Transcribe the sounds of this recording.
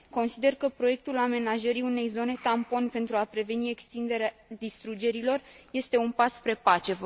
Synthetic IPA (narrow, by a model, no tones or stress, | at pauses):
ko̞nsid̪e̞rkəpɾo̞je̞k̚t̪ulame̞naʒəɾiune̞jzo̞ne̞t̪ampo̞npe̞nt̪ɾuapɾe̞ve̞nie̞kst̪ind̪e̞ɾead̪ist̪ɾud͡ʒe̞ɾilo̞rje̞st̪e̞unpaspɾe̞pat͡ʃe̞